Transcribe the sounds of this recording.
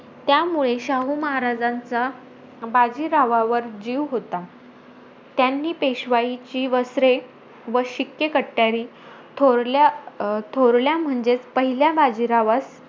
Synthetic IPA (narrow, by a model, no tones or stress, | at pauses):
t̪jamuɭeɕaɦuməɦaɾad͡zant͡sa | bad͡ʑiɾaʋaʋəɾd͡ʑiʋɦot̪a | t̪janːiːpeɕʋajit͡ɕiːʋəsɾe | ʋəɕikːekəʈːaɾi | t̪ʰoɾlat̪ʰoɾljam̤əɳd͡zet͡spəɦiljabad͡ʑiɾaʋas